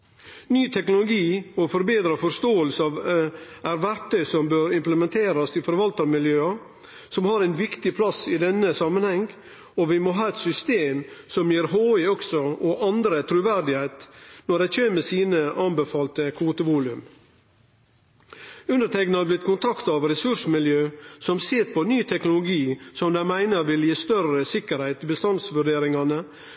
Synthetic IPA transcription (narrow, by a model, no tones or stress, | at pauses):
nyːt̪ʰɛknʊlʊɡiːɔfɔɾbeːd̪ɾɑfɔɾʂt̪oːəlsəɑʋæɾʋæɾt̪ʰœʏsɔmbøːɾɪmpləmɛnt̪ʰeːɾɑst̪ʰɪfɔɾʋɑlt̪əɾmɪljøːɑ | sɔmhɑːɾæɪnʋɪkt̪ɪpʰlɑsɪd̪ɛnːəsɑmənhɛŋ | ɔʋɪmɔɦɑːɛt̪sʏst̪eːmsɔmjiːɾɦoːɪɔksɔɔʔɑnd̪ɾət̪ʰɾʉʋæɾd̪ɪhæɪt̪nɔɖ̪ɛɪçʰøːməsiːnəʔɑnbəfɑːlt̪əkʰuːt̪əʋuːlʉm | ʉnd̪əʈʰɛknɑblɪt̪kʰʊnt̪ʰɑkt̪ɑʋɾɛsʉʂəmɪljøːsɔmseːt̪pʰɔnyːt̪ʰɛknʊlʊɡiːsɔmd̪æɪmæɪnəɾʋɪljiːst̪œrəsɪkəɾhæɪt̪ɪbəst̪ɑnsʋʉɖeːɾɪŋɑnə